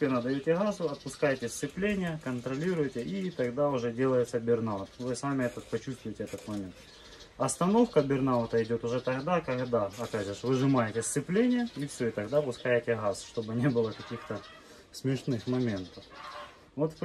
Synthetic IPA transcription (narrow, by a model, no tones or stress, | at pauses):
pʲenəd̪ɐjotʲɪɣazʊɐt̪̚pʊskajɪtʲɪsʲt̪sɨplʲenʲɪjəkənt̪ɾɐlʲiɾʊjtʲɪʔit̪ɐɣd̪aʊʐɛdʲe̞lˠəjɪt̪səbʲɪrnat̪vɨsamʲɪɛt̪ət̪̚pɐt͡ɕust̪vʊjɪtʲɪɛt̪ət̪mɐmʲent̪ | ɐst̪ɐno̞fkəbʲɪrnat̪əɪdʲo̞t̪ʊʐɛt̪ɐɣd̪akɐɣd̪aɐpʲæʐɨʂvɨʐɨmajɪtʲɪsʲt̪sɨplʲenʲɪjəifsʲoɪt̪ɐɣd̪apʊskajɪtʲɪɣasʂt̪o̞bɨnʲebɨlˠəkɐkʲixt̪ə | smʲɪʂnɨxmɐmʲe̞nt̪əf | vo̞t̪fp